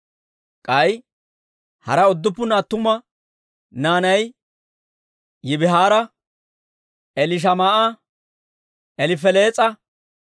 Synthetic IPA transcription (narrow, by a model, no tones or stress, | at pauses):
kʼɐj | hɐ̰ɾɐʊd̪ːʊpːʊnaːt̪ːʊmɐ | naːnɐj | jɪbɪɦaːɾɐ | ɛlɪʃ̬ɐmaːʔɐ | ʔɛlɪfɛle̞ːt͡sʼɐ